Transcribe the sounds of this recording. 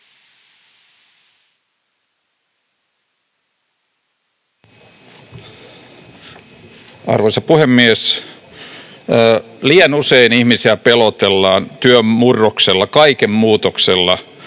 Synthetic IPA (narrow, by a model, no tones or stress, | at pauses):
ɑ̰rʋojsɑpuhemːies | liɑnuseinihmisiæpelot̪elːɑːnt̪yømːurːokselːɑkɑikemmuːt̪okselːɑ